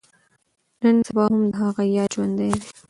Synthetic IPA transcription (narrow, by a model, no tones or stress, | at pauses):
nənsabɑɦʊmd̪əɦaɣajɑd͡ʒwand̪ajd̪e